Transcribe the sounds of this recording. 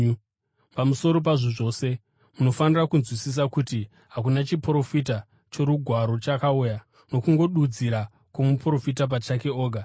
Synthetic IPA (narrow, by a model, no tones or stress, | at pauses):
pamuso̞ɾo̞p̬aʐiʐo̞ːse̞ | muno̞fanirakunzwisis̬akuti | ɦak̬unat͡ʃipro̞fit̬a | t͡ʃo̞ɾuɡʱwaɾo̞t͡ʃakauːja | no̞kuŋɡo̞ɗud͡ziɾa | komupro̞fitap̬at͡ʃake̞o̞ːɡʱa